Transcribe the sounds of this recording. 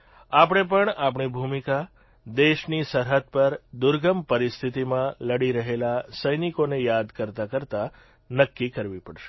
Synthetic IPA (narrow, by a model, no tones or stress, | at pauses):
apəɳ̃epəɳapɳibʱumika | d̪eʃnisəɾɦəd̪̚pəɾd̪ʊɾɡəmpəɾist̪ʰit̪imãləɽiɾəɦelasəjnikonejad̪kəɾt̪akəɾt̪a | nəkːikəɾʋipəɽʃe̥